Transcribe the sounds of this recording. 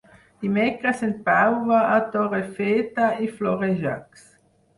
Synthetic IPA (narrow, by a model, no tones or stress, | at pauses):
dimɛkɾasen̚pawvaat̪ɔʁefeːt̪aiflɔʁeʒa̰ks